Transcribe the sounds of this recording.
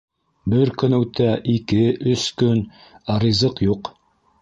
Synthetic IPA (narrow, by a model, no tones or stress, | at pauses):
bɘɾkɵ̆nʉwt̪æʔikɘʔɵskɵnɑɾizɤqjuq